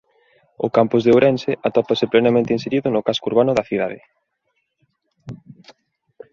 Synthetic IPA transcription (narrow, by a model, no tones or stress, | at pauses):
ʊ̰kampʊzðeowɾɛnseʔat̪opasɪplenamẽnt̪einseɾiðʊnʊkaskouɾβanʊðɐθiðaðɪ̰